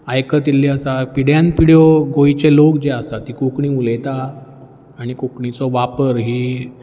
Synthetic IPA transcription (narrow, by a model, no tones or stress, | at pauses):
ajkət̪ilːiəsapiɽjãnpiɽjɔɡoit͡ɕelokd͡ʑeast̪at̪ːikokɳĩːulet̪aː | ɽ̃ikokɳit͡sɔʋapəɾɦiː